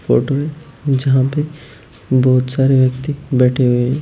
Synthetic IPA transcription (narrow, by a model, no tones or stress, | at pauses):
fo̰ːʈoɦɛ̃ | d͡ʒɐɦãpe | bɔːt̪saːɾeʋjɐk̚t̪ibɛːʈʰeɦʊeɦɛ̃ː